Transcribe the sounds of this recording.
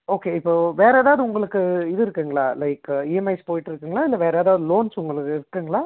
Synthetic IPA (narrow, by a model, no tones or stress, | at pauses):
oːkeːɪpːoːʋeːɾɛːðaːɐðɯʊŋɡɐɭɯkːɯɪðɯɪɾɯkːɯːŋɡɐɭaːlɐɪkiːɛmɐɪspoːjɪʈːɪɾɯkːɯːŋɡɐɭaːɪlːɐʋeːɾːðaːðɯloːnsʊŋɡɐɭɯkːɯɪɾɯkːɯːŋɡɐɭaː